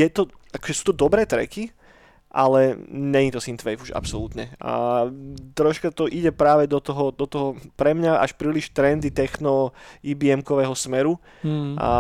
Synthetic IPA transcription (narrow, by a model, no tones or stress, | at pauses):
jɛt̪ɔakɔ̥ʒɛsu̥ːt̪ɔd̪ɔbɾɛːt̪ɾɛ̰ki | ʔalɛɲɛɲit̪ɔsint̪ʋɛjfuʒa̰psɔlut̪ɲɛa | t̪ɾɔʃkat̪ɔʔiɟɛpɾaːʋɛd̪ɔt̪ɔɦɔd̪ɔt̪ɔɦɔpɾɛmɲaʔa̰ʃpɾiːliʃt̪ɾɛnd̪it̪ɛxnɔibiɛmkɔʋɛːɦɔsmɛɾu